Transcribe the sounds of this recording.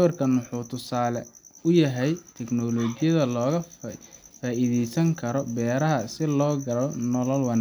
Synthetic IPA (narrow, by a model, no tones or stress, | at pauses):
ɐrkʰɐnʊħuːt̪ʰʊsaːlɛʊjɐɦɛjt̪ʰɛɡnɔlɔːɡɪjɐðɐlɔːɣɐ | faːʔiðɛjsɐŋkʰɐɾɔbɛːɾɐɦɐsɪlɔːɡɐlɔnɔlɔlwɐna